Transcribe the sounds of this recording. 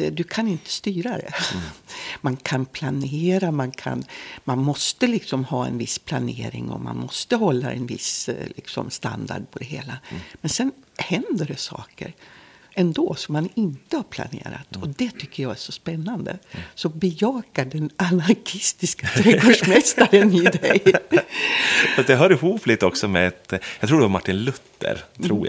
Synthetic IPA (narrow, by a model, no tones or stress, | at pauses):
d̪ɵkʰanɪnt̪ə̥st̪yːɾad̪ɛ̰ | mankʰanpʰlaneːɾamankʰa̰nmanmɔst̪əlɪksɔmhɑːɛ̰nvɪsːpʰlaneːɾɪ̰ŋɔ̰ma̰nmɔst̪əɦɔlːa̰ɛ̰nvɪslʔɪksɔ̰mst̪a̰nd̪a̰ɖ̚pʰɔd̪ɛɦeːlamɛnsɛnhɛnd̪əɖɛsɑ̰ːkə̰ɾɛnd̪oːsɔmːanɪnt̪əhaɾpʰla̰nḛːɾa̰t̪ɔd̪ɛt̪ʰʏkːəjɑɡæʂɔspɛnːand̪ə̰sɔbɛjɑːkaɖɛnanaɾkʰɪst̪ɪskat̪ʰɾɛɡoʂmɛst̪aɾənɪd̪ɛj | fastd̪ɛɦœːɾɪhuːplɪt̪ːɔksɔmɛd̪jɑkt̪ʰɾuːɖɛɔmaʈːɪnlɵt̪ʰːə̰ɾt̪ɾuːj